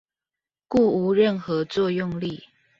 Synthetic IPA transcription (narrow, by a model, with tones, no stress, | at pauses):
ku˥˩u˨˦ɻə˥˨nxɤ˨˦t͡swɔ˥˨jʊ˥˨ŋli˥˨